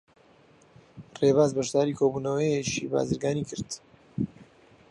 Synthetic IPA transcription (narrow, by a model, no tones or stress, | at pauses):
reβaːzbɐʃd̪aːɾikʰoːbuːnɐwəjet͡ʃḭba̰ːzɨɾɡaːnikʰɨɾd̪